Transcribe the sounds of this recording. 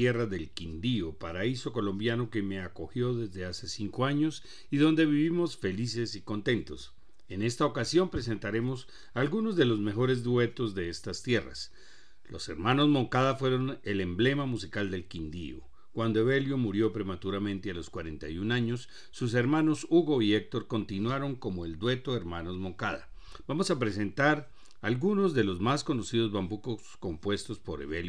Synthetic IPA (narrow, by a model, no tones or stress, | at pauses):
eraðe̞lkind̪iopaɾaiso̞ko̞lo̞mbjano̞ke̞me̞ako̞xjo̞ðe̞zðe̞ase̞siŋko̞aɲo̞s | iðo̞nd̪e̞βiβimo̞sfe̞lise̞siko̞nt̪e̞nt̪o̞s | e̞ne̞st̪aokasjo̞mpɾe̞s̬e̞nt̪aɾe̞mo̞s | alɡuno̞zðe̞lo̞zme̞xo̞ɾe̞zd̪we̞t̪o̞zðe̞est̪ast̪je̞ra̰s | lo̞̰seɾmano̞zmo̞ŋkaðafwe̞ɾo̞ne̞le̞mble̞mamusikald̪e̞lkind̪ḭo̰ | kwand̪o̞eβe̞ljomuɾjo̞pɾe̞mat̪uɾamẽ̞nt̪ealo̞skwaɾe̞nt̪ajunaɲo̞sː | us̬e̞ɾmano̞suɣo̞iek̚t̪o̞ɾko̞nt̪inwaɾo̞ŋko̞mo̞e̞ld̪we̞t̪o̞eɾmano̞zmo̞ŋkaða̰ | bamo̞sapɾe̞s̬e̞nt̪aɾ | alɡuno̞zd̪e̞lo̞zmasko̞no̞sið̞o̞zβambukosko̞mpwe̞st̪o̞spo̞ɾḛβelj